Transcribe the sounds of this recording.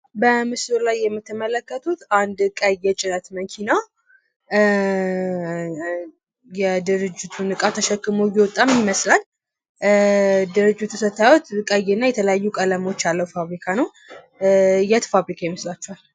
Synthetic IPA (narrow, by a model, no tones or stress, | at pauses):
bəmɨslolajːɛmːɨt̪ʰːɨmələkːət̪ʰut̪and̪kʼəjɛt͡ʃʼɪnət̪məŋkʰina | jɛd̪ɨɾɨd͡ʒːɪt̪ʰunɨkʼat̪ʰəʃəkːɨmowjɛwɔt̪ʼːamjɪməslal | d̪ɨɾɨd͡ʒːɪt̪ʰːusət̪ʰːawɔt̪kʼəjɛnːajɛt̪ʰələjajːukʼələmo̞t͡ʃːalːəwufaβɾikʰanəw | jɛt̪faβɾikʰajɛməslat͡ʃːɛwal